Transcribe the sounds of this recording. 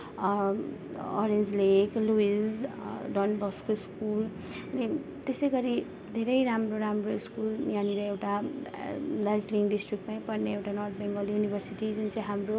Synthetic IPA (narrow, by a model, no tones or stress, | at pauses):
ɔ̰ɾend͡zlekluisɖʌnbʌskoiskul | ʌni | t̪esʌjɡʌɾi | d̪ʱeɾʌjɾamroɾamroiskulnjaniɾʌewʈa | d̪azliŋɖisʈrik̚ʈmajpʌrneewʈanʌrt̪̚ʰbeŋɡʌljunibʱʌrsiʈid͡zunt͡sʌ̃j̃ɦamro